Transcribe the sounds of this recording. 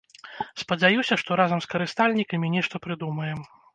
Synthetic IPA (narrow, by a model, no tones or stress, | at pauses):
spɐd͡zʲajusʲɐʂt̪ɔɾazɐmskɐɾɨst̪alʲnʲikɐmʲinʲɛʂt̪ɐpɾɨd̪umɐjɛm